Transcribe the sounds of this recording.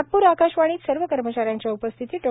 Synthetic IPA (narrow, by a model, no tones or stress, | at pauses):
ʈ̪̚puːɾakaɕʋaɽ̃iːt̪səɾʋəkəɾmət͡ɕaɾjaɲt͡ɕjaupəst̪ʰit̪iːʈo